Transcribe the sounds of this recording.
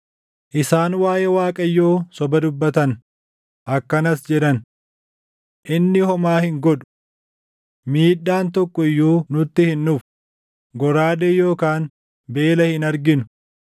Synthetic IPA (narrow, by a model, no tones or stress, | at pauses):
ʔɪsaːnwaːjeːwaːkʼɐjːo̞ːsɔbɐd̪ʊbːɐt̪ɐn | ʔɐkːɐnɐsd͡ʒɛᶑɐn | ʔɪnːɪhɔmaːhɪŋɡɔᶑʊ̥ | miːᶑːaːnt̪ɔkːɔɪjːuːnʊt̪ːɪhɪnːʊf | ɡɔɾaːd̪eːjo̞ːkaːn | be̞ːlɐhɪnɐɾɡɪnʊ̥